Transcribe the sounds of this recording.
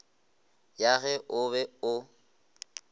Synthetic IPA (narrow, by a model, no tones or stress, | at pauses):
jaɣɛʔʊβɛʊ